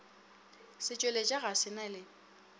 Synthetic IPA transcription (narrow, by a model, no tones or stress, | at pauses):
sɪt͡ʃʼwelet͡ʃʼaɣasɪnalɪ